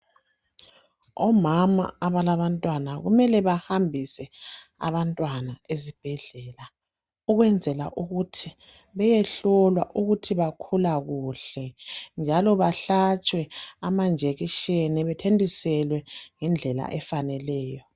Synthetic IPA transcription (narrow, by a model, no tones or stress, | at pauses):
ɔmama̰ːβalaβantʼwanaɣṵmɛlɛβahambʱisɛa̰βantʼwanaezib̥ʱɛɮɛːla | uɣwɛnd͡zʱɛla̰ʔuɣutʰi | βɛjɛɬɔlwaʔuɣutʰiβakʰulaɣuɬɛnd͡ʒʱalɔβaɬat͡ʃʼwɛamand͡ʒʱeɣiʃenɛβɛtʰendʱisɛlwɛŋɛnd͡ɮʱɛla̰ʔɛfanɛlɛːjɔ